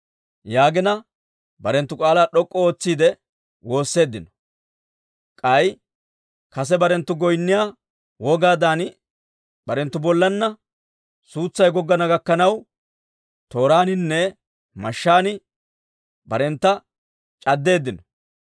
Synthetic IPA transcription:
jaːɡɪnɐ | bɐɾɛnt̪ːʊkʼaːlaːɗɔkʼːɔoːt͡sːiːd̪ɛ | wo̞ːsːe̞ːd̪ːɪnɔ̥ | kʼɐj | kɐs̬ɛbɐɾɛnt̪ːʊɡɔjnːɪjaː | wɔɡaːd̪aːn | bɐɾɛnt̪ːʊbɔlːɐnːɐ | suːt͡sːɐjɡɔɡːɐnɐɡɐkːɐnɐw | t̪o̞ːɾaːnɪnːɛ | mɐʃːaːnɪ | bɐɾɛnt̪ːɐ | t͡ʃʼɐd̪ːe̞ːd̪ːɪnɔ

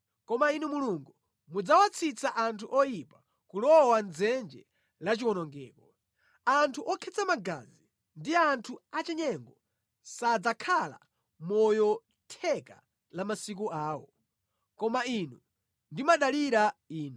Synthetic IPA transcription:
kɔmainumuluŋɡu | mud͡zawat͡sʰit͡saʔantʰuʔɔjipa | kulɔwand͡zɛnd͡ʒɛ̰ | lat͡ʃiwɔnɔŋɡɛːkɔ | antʰuʔɔkʰɛt͡samaɡa̰zi | ndiantʰuat͡ʃɛɲɛŋɡɔ | sad͡zakʰala̰ | mɔjɔ | tʰɛka̰ | lamasik̬uaːwɔ̰ | kɔmainu | ndimaɗaliɾaiːnu

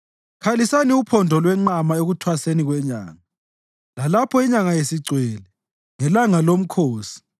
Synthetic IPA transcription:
kʰalisaniupʰɔndʱɔlwɛŋ͡ǃamaeɣutʰwaseniɣwɛɲa̰ːŋa | lalapʰɔiɲaŋajesiǀwɛːlɛ | ŋɛlaŋalom̩kʰoːsi̥

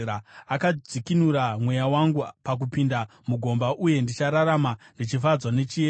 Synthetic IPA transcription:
aakad͡zikinuɾamwe̞jawaŋɡupak̬upinda | muɡʱo̞mbaʔuje̞ndit͡ʃaɾaɾamandit͡ʃifad͡zwane̞t͡ʃie

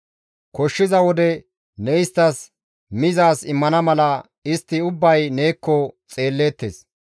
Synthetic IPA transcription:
kɔʃːɪzɐwɔd̪ɛ | nɛɪst̪ːɐs | mɪzaːsɪmːɐnɐmɐlɐ | ɪst̪ːɪʊbːɐjneːkːɔt͡sʼe̞ːlːeːt̪ːeːs

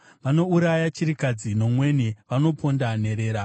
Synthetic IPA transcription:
ʋano̞uɾajat͡ʃiɾikad͡zino̞mwe̞niʋano̞pʰo̞ndane̞ɾe̞ːɾa

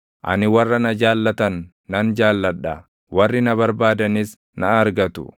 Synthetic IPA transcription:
ʔɐ̰nɪwɐrːɐnɐd͡ʒaːlːɐt̪ɐnː | ɐnd͡ʒaːlːɐᶑːɐ | wɐrːɪnɐβɐɾbaːd̪ɐnɪs | nɐɐɾɡɐt̪ʊ̰

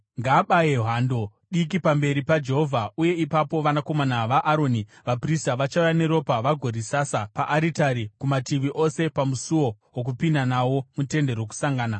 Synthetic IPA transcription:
ŋɡaːɓajeɦaːndo̞ | ɗik̬ipambe̞ɾipad͡ʒe̞ɦovʱauje̞ipapoʋanako̞manaʋaʔːɾo̞ːni | ʋapristaʋat͡ʃaujane̞ɾo̞paʋaɡʱo̞risasapaʔaɾitaɾikumatiʋiʔo̞se̞pamusuwo̞ | wok̬upindanawo̞mute̞nde̞ɾoku̥saŋɡaːna

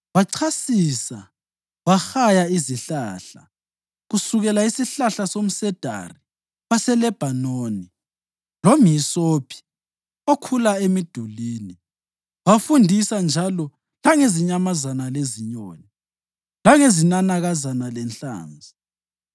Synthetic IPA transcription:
waǀʰasisa | waxajaiziɬaɬa̰ | ɣusuɣɛlaisiɬaɬasom̩sɛd̥ʱa̰ri | βasɛlɛb̥ʱanoːni | lomjisoːpʰi̥ | okʰulaemid̥ʱuliːni | wafundʱisand͡ʒʱalɔ | laŋeziɲamazanaleziɲoːni | laŋezinanaɣazanalɛnt͡ɬa̰ːnd͡zʱi

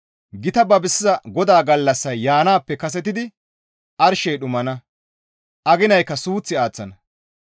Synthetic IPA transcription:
ɡɪt̪ɐbɐbɪsɪzɐɡɔd̪aːɡɐlːɐsːɐjːaːnaːpːɛkɐs̬ɛt̪ɪd̪ɪ | ʔɐɾʃɛjɗʊmɐnɐ | ʔɐɡɪnɐjkːɐsuːt͡sːɪaːt͡sːɐnɐ

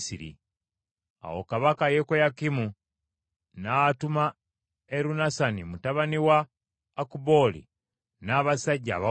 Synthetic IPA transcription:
siɾḭ | a̰wo̰kaβakajekojakimu | natuma | eɾunasanimutaβaniwaː | kubo̞ːlḭ | naːβasaɟːa̰ːβa

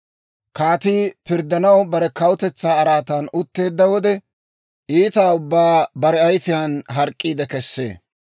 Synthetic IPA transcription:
kaːt̪iːpɪɾd̪ɐnɐwbɐɾɛkɐwʊt̪ɛt͡sːaːɾaːt̪aːnʊt̪ːe̞ːd̪ːɐwɔd̪ɛ | ʔiːt̪aːʊbːaːbɐɾɛɐjfɪjaːnɦɐɾkʼːiːd̪ɛkɛsːḛː

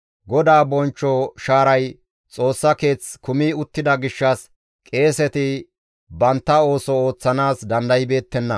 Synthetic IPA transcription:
ɡɔd̪aːbɔnt͡ʃːɔʃaːɾɐj | t͡sʼo̞ːsːɐke̞ːt͡skʊmiːʊt̪ːɪd̪ɐɡɪʃːɐs | kʼe̞ːsɛt̪ɪ | bɐnt̪ːɐo̞ːsɔoːt͡sːɐnaːsd̪ɐnd̪ɐjɪbe̞ːt̪ːɛnːɐ

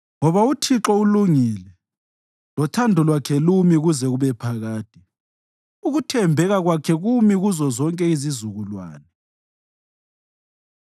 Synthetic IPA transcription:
ŋɔβautʰiǁɔuluŋiːlɛ | lɔtʰandʱɔlwakʰɛlumiɣuzɛɣuβɛpʰaɣaːt̚ʰʼi | uɣutʰɛmbʱɛɣaɣwakʰɛɣumiɣuzɔzɔŋkʼɛizizuɣulwa̰ːnɛ

